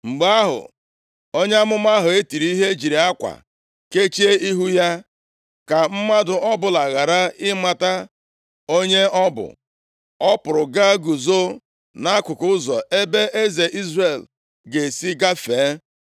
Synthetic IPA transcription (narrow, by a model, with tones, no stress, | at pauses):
ŋ͡m̩˨ɡ͡ba˦ɦʊ̰˨ | o˦ɲe˦a˦mʊ˦m˦a˦ɦʊ˨e˦ti˨ɾi˦i˦ɦe˦d͡ʒi˨ɾi˨a˦kʷa̰˨ | ke˦t͡ʃe˦i˦ɦu˦ja˦ | ka˨m̩˦ma˦dʊ˨ɔ˦bʊ˨la˨ɣa˨ɾa˦ɪ˦ma˨ta˦ | o˦ɲe˦ɔ˦bʊ̰˨ | ɔ˦pʊ˨ɾʊ˨ɡa˦ɡu˨zo˦ | na˦a˦kʷʊ˨kʊ˦ʊ˦zɔ˨e˦be˦ʔe˦ze˨ʔi˦zre˨l | ɡe˨si˦ɡa˦feː˨˦